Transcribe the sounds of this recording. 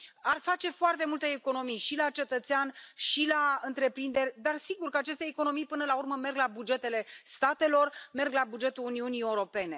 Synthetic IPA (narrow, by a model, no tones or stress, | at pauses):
arfat͡ʃe̞foart̪e̞mult̪eːko̞no̞mijʃilat͡ʃe̞t̪ət̪seanʃilaɨnt̪ɾe̞pɾind̪e̞rʲd̪arsiɡurkəat͡ʃe̞st̪eːko̞no̞mijpɨnəlaurməme̞rɡlabud͡ʒe̞t̪e̞le̞st̪at̪e̞lo̞rme̞rɡlabud͡ʒe̞t̪uluniunie̞uɾo̞pe̞ne̞